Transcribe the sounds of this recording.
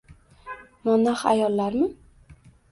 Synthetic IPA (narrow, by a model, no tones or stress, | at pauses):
manaχa̰jɒlˠːaɾmɪ